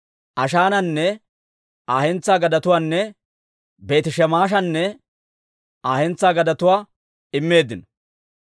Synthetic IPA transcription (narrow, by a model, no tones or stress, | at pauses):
ʔɐʃaːnɐnːɛ | ʔaːhɛnt͡sːaːɡɐd̪ɐt̪ʊwaːnːɛ | be̞ːt̪ɪʃɛmaːʃ̬ɐnːɛ | aːhɛnt͡sːaːɡɐd̪ɐt̪ʊwaː | ɪmːe̞ːd̪ːɪnɔ